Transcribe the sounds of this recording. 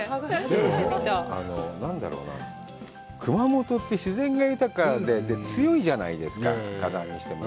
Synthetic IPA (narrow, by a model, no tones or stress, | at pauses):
d̪emoa̰no̞nãnd̪a̰ɾo̞̰ːna̰ | kɯ̟mamo̞t̪o̞t̪ːe̞ɕizẽ̞ŋɡajɯ̟t̪akad̪e̞d̪et͡sɨjo̞iʑanaid̪e̞sɨ̥ka̰kazã̰ɲ̟ːiɕi̥t̪e̞ma